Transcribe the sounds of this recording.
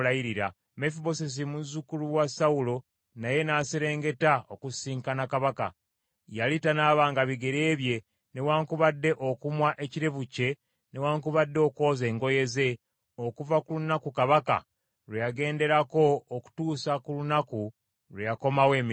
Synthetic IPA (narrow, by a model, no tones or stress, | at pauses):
lajiɾiɾa̰ | mefiβo̞ses̬imuzukuluwasawulo̞ | naje̞naseɾe̞ːŋɡe̞taokusiːŋkanakaβaka̰ | jalitanaːβaːŋɡaβiɡe̞ɾe̞ːβje̞ | ne̞waːŋkuβadːe̞ʔokumwaʔe̞ciɾe̞βuce̞ | ne̞waːŋkuβadːeoko̞ːze̞ːŋɡo̞je̞ze̞ | okuvakulunakukaβaka̰ | ɾejaɡe̞ːnde̞ɾako̞ːku̥tuːsakulunaku | lwejako̞mawe̞ːmi